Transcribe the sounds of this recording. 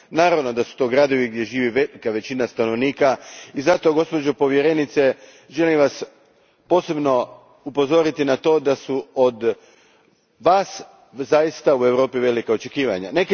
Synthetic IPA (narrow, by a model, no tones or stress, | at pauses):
naːɾaʋno̞d̪asu̥t̪o̞ːɡɾad̪o̞ʋiɡd̪je̞ʒiːʋiʋekaʋe̞t͡ɕinast̪ano̞ʋniːkaizat̪o̞ɡo̞spo̞d͡ʑopo̞ʋje̞ɾe̞nit̪se̞ | ʒe̞limʋas | po̞ːse̞bno̞ | upo̞zo̞ɾit̪inat̪o̞ːd̪asuod̪ | ʋaːs | zajist̪aue̞ʋɾo̞ːpiʋe̞likao̞t͡ʃe̞kiːʋa̰ɲa̰nek